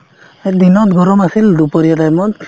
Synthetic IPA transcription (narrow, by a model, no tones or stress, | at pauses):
ed̪inɔt̪ɡʱɔɾɔmasild̪upɔɾijɔtajmɔt